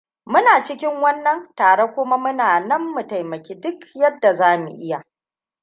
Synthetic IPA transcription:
mʊ˦naː˨t͡ʃɪ˦kʲɪ˦ŋwɐ˦nːɐ˨ntaː˨ɽe˦kʷʊ˦ma˦mʊ˦naː˨nɐ˦mːʊ˨tɐ˨jmɐ˨kʲiː˦dʊ˦kjɐ˦dːa˨zaː˦mṵ˨ʔɪ˦ja˨

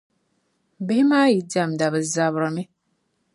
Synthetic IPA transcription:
bɛ˦hi˦maː˦ji˨da˨mda˨bɛ˨za˨bɾa˨mi˦

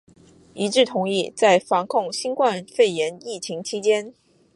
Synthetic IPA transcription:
i˧˥ʈ͡ʂɻ̩˥˩t̪ʰʊ˧˥ŋi˥˩t͡sa˥˩ɪfɑ˧˥ŋkʰʊ˥˩ŋɕi˥nkwa˥˧nfe˥˩ɪjɛ˧˥ni˥˩t͡ɕʰi˧˥ŋt͡ɕʰi˥t͡ɕjɛ˥n

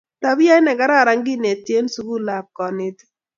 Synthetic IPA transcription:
ta˨bi˦ja˦ɪ˦nɛ˨ɡa˨˦ɾa˦˨ɾa˦ŋɡɪ˦ne˨tje˦nsu˦ɡu˦la˨p̚kɔ˨nɪ˦t̪

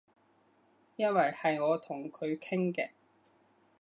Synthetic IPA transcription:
jɐ˥nwɐ˨jhɐ˨jŋɔː˨˧t̪ʰʊ˨˩ŋkʰɵ˨˧ɥkʰɪ˥ŋkɛː˧

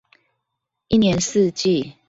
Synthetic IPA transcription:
i˥˨njɛ˨˦ns̩˥˧˨t͡ɕi˥˨

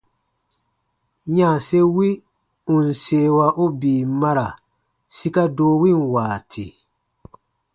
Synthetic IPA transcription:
ɲaː˨se˦wi˦ | u˨n̩˨seː˦wa˦ʔo˦biː˨ma˦ɾa˨ | si˦ka˦doː˦wi˦˨n̩˨waː˨tʰi˨

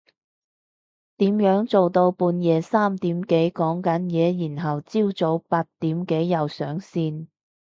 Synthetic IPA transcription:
t̪iː˨˥mjœː˨˥ŋt͡so˨wt̪o˧wpuː˧njɛː˨˧saː˥mt̪iː˨˥mke˨˥jkɔː˨˥ŋkɐ˨˥njɛː˨˧jiː˨˩nɦɐ˨wt͡siː˥wt͡so˨˥wpaː˧t̚t̪iː˨˥mke˨˥jːɐ˨˧wsœː˨˥ŋsiː˧n

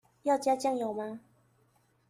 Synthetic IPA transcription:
jɑ˥˨ʊt͡ɕja˦t͡ɕja˥˨ŋjo˨˩ʊma˦

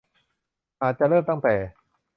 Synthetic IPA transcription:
ʔaː˨˧˩t̪̚t͡ɕa˨ʔlɤː˥˩mt̪a˥˩ŋt̪ɛː˨˩

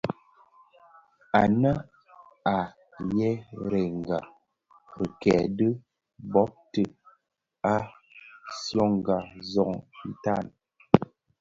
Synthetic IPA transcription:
a˨nə˦ | a˨ | jɛ˦ɾɛ˨ŋ˨ɡa˨ | ɾə˨kɛ˨də˦ | bɔ˨˦p̚tə˨ | a˦ | sjɔ˦˨ŋ˨ɡa˨zɔ˨ŋn̩˦ta˦˨n

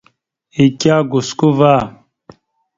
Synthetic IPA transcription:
i˨kʲa˦ɡu˨sku˦vaː˦˨

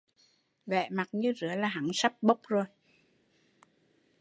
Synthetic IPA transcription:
vɛ̰˧˨ma˨˩t̚ɲɨ˧zɨ̰˧˦əlaː˨˩ɦa˧˦ŋsa˦˥p̚ɓə˦˥wk͡p̚zo˨˩j

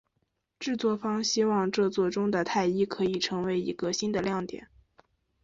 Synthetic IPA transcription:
ʈ͡ʂɻ̩˥˧t͡swɔ˥˩fɑ˥ŋɕi˥wɑ˥˧ŋʈ͡ʂɤ˥˧t͡swɔ˥˩ʈ͡ʂʊ˥ŋd̪ə˨t̪ʰa˥˩ɪi˥kʰɤ˧˥i˨˩ʈ͡ʂʰɤ˧˥ŋwe˧˥ɪḭ˧˥ɡə˧ɕi˥nd̪ə˨ljɑ˥˩ŋt̪jɛ̰˨˩˦n

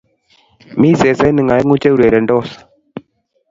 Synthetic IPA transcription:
miː˦se˨sa˦nɨ˨ŋa˨e˦ŋu˦t͡ʃe˦u˨ɾe˨ɾɛ˨ɳɖoː˦sḁ

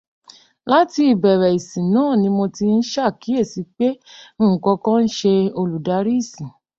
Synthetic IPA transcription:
la˦ti˧˦i˨bɛ˨ɾɛ˨i˨sĩ˨nãː˨˦˨nĩ˧mõ˧ti˧n̩˦ʃa˦˨ki˨˦e˦˨si˨˧k͡pe˦m̩̃˦˨kɔ˧kɔ̃˦n̩˦ʃe˧o˧lu˨da˧˦ɾi˦˨sĩ˨

